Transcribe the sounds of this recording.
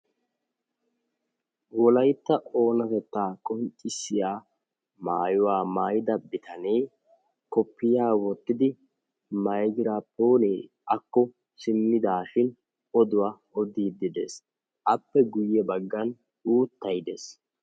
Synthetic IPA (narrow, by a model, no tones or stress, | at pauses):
wɔlɐjt̪ːɐʔo̞ːnɐt̪ɛt̪ːaːkʼɔŋt͡ʃʼːɪsːɪjaː | maːjʊwaːmaːjɪd̪ɐbɪt̪ɐneː | kɔpːɪjaːwɔt̪ːɪd̪ɪ | mɐjɡɪɾaːpːoːneː | ʔɐkːɔ | sɪmːɪd̪aːʃɪn | ɔd̪ʊwaː | ɔd̪iːd̪ɪd̪ḛːs | ʔɐpːɛɡʊjːɛbɐɡːɐn | uːt̪ːɐjd̪ḛs